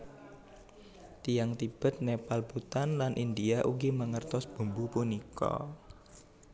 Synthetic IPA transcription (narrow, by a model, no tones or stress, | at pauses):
t̪ijaŋt̪ib̥ə̤t̪̚nepalbut̪anlanʔind̪iaʔuɡiməŋərt̪ɔsb̥ṳmbupunikʰɔ̰